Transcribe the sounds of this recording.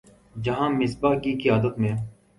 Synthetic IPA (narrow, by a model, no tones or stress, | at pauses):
d͡ʒɐɦãːmɪsbaːkikiaːd̪ət̪mẽː